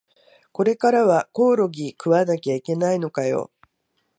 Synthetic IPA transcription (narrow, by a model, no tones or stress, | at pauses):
ko̞ɾe̞kaɾaβako̞ːɾo̞ɡʲikɯ̟βanakʲaike̞naino̞kajo̞̰